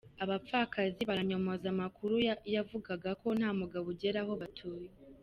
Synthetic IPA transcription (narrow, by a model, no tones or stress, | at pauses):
aβap̪fakʰaziβaɾaɲo̞mozamakuɾujavuɡaɡako̞n̥haːmuɡaβuɟe̞ɾaho̞βatʰuːje